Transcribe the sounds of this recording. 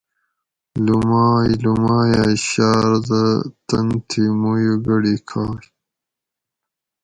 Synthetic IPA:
lumɑːjlumɑːjaːɕɑːɾd̪ət̪ɐnt̪ʰimujuɡɐɽikʰaːj

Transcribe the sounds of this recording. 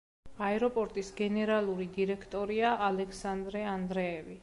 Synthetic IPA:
aɛɾɔpʼɔɾt̪ʼisɡɛnɛɾalˠuɾid̪iɾɛkʰt̪ʼɔɾiaʔalɛkʰsand̪ɾɛand̪ɾɛːvi

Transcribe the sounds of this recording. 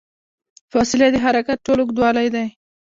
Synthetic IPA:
fɑsɪlad̪əɦaɾakat̪̚ʈoloɡd̪wɑlajd̪aj

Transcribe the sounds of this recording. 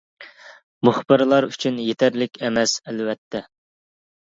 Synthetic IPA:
muχbɨɾlˠɑɾyt͡ʃʰynjet̪ʰæɾlɪkʲɛmɛsɛlwɛt̪ʰːɛ

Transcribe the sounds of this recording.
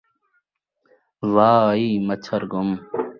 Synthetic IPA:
ʋaːiːmɐt͡ɕʰɐɾɡum

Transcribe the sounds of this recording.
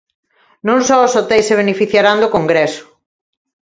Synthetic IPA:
nõŋsɔosot̪ɛjseβ̞enefiθjaɾand̪okoŋɡɾesʊ̥

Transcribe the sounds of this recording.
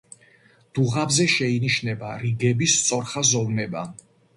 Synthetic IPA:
d̪̥uʁabzɛʃɛiniʃnɛbaɾiɡɛbist̪sʼɔɾχazɔvnɛba

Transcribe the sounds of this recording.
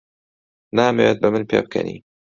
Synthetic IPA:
naːmewet̪̚bɐmɨnpʰḛːb̚kʰɐ̰nḭː

